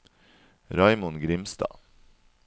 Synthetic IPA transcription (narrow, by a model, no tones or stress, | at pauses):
ɾɑɪmʊnɡɾɪmst̪ɑ̰ː